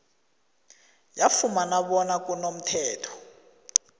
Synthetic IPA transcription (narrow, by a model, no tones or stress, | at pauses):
jafumanaɓɔnakʼunom̩tʰɛːtʰɔ̥